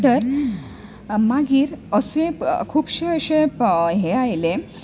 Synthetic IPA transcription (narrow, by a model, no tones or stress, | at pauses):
t̪əɾ | maɡiːɾəsẽkʰuːpɕeəɕeɦeajle